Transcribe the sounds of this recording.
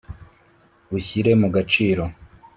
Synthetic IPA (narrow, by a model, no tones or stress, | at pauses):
uçiɾe̞muɡat͡ʃiːɾo̞